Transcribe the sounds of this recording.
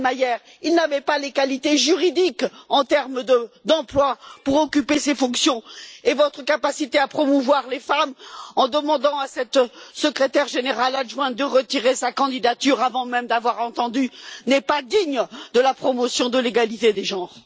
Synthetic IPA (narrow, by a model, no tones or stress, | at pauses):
majɛʁ | ilnavɛpalekalit̪eʒyʁid̪ikɑ̃t̪ɛʁmd̪əd̪ɑ̃plwapuʁɔkʲypesefɔ̃ksjɔ̃evɔt̪χəkapasit̪eapχɔmuvwaʁlefamɑ̃d̪əmɑ̃d̪ɑ̃asɛt̪səkχet̪ɛʁʒeneʁalaʒwɛ̃d̪əʁət̪iʁesakɑ̃d̪id̪at̪yʁavɑ̃mɛmd̪avwaʁɑ̃t̪ɑ̃d̪ynɛpad̪iɲd̪əlapχɔmɔsjɔ̃d̪əleɡalit̪ed̪eʒɑ̃ʁ